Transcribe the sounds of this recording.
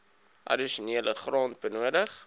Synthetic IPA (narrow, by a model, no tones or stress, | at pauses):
ʔɐ̰diʃuniələχrɑːnt̚bənuədəχ